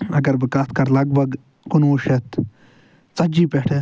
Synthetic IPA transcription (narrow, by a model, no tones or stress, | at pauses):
ɐ̰ɡɐɾbɨkat̪ʰkɐɾlɐɡbɐɡ | kunuːʃet̪ | t͡sɐd͡ʒiːpeʈʰe